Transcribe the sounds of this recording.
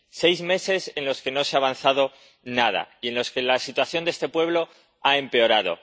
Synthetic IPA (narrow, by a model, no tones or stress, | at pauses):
se̞jzme̞se̞se̞nlo̞ske̞no̞seaːβ̞an̟θað̞o̞ | nað̞a̰ie̞nlo̞ske̞lasit̪waθjo̞nd̪ee̞st̪e̞pwe̞β̞lo̞ | ae̞mpe̞o̞ɾað̞o̰